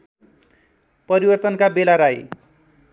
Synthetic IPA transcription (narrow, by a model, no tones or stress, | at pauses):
pʌɾibʌrt̪ʌnkabelaɾaj